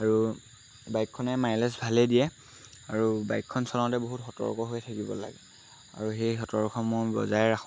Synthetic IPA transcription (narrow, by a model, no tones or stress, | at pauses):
aɹu | bajkʰːɔnɛmajlɛsbʱalɛdijɛ | aɹubajkʰːɔnsɔlaʊ̃tɛboɦutɦɔtɔ̰ɹkɔɦojɛtʰakibɔ̰la̰ɡɛ | a̰ɹuxejxɔtɔɹkʰɔmojbɔ̰zajɹaxʰ